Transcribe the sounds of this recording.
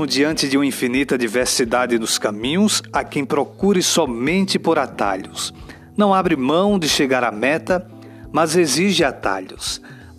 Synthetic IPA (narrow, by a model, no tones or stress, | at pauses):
mʊd͡ʒiɐ̃nt͡ʃ̪ɪd̪ɪũmɐĩfinit̪ɐd̪iveɾsid̪ad̪ɪnʊskɐ̃mĩɲʊ̃sakẽj̃pɾokuɾɪsɔmẽnt̪ɪpoɾat̪a̰ʎʊs | nɐ̃w̃abɾɪmɐ̃w̃d̪ɪʃeɡaɾamɛt̪ɐ | mɐzeziʒɪat̪a̰ʎʊs